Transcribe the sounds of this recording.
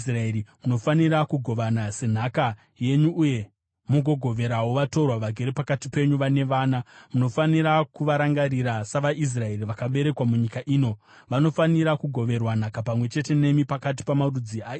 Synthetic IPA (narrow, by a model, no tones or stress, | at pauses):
sraeɾimuno̞faniɾakuɡʱo̞ʋanase̞n̤aka | je̞ɲuʔːje̞ | muɡʱo̞ɡʱo̞ʋe̞ɾawoʋato̞rwaʋaɡʱe̞ɾepakatipe̞ɲuʋane̞ʋaːnamuno̞faniɾakuʋaɾaŋɡaɾiɾasaʋaʔis̬rae̞riʋakaɓe̞ɾe̞kwamuɲikaʔiːno̞ | ʋano̞faniɾakuɡʱo̞ʋe̞rwan̤akapamwe̞t͡ʃe̞te̞ne̞mipakat̬i̥pamarud͡ziaː